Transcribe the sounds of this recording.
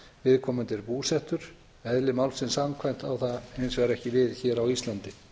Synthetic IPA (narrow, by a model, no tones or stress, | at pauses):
vɪðkʰɔːmʏnt̪ɪɾpuːsɛht̪ʏɾ̥ | ɛðlɪmawlsɪnsamkʰvajm̥t̪awθaejnsvɛɣɾɛhcɪvɪðçɛːɾawist̪lant̪ɪ